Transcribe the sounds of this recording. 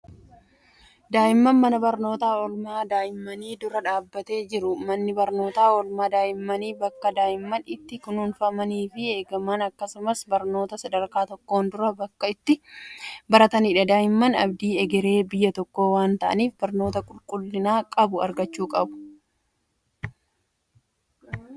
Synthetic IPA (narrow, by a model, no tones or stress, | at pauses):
d̪aːʔɪmːɐnmɐnɐbɐɾno̞ːt̪aːɔlmaːd̪aːʔɪmːɐniːd̪ʊɾɐᶑaːbːɐt̪e̞ːd͡ʒɪɾʊmɐnːɪbɐɾno̞ːt̪aːɔlmaːd̪aːʔɪmːɐniːbɐkːɐd̪aːʔɪmːɐnɪt̪ːɪkʊnuːnfɐmɐniːfɪe̞ːɡɐmːɐnɐkːɐsʊmɐsbɐɾno̞ːt̪ɐsɐd̪ɐɾkaːt̪ɔkːo̞ːnd̪ʊɾɐbɐkːɐɪt̪ːɪ | bɐɾɐt̪ɐnɪᶑɐd̪aːjɪmːɐnɐ̰bd̪iːɛɡɛɾe̞ːbɪjːɐt̪ɔkːo̞ːwaːnt̪ɐʔɐ̰niːfbɐɾno̞ːt̪ɐkʼʊlkʼʊlːɪnaːkʼɐbʊɐ̰ɾɡɐt͡ʃːuːkʼɐbʊ̥